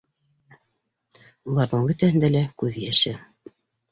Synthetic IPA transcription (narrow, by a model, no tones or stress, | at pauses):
ulˠɑɾðɤɴbɵ̆t̪æhɘnd̪ælækʉðjæʃɘ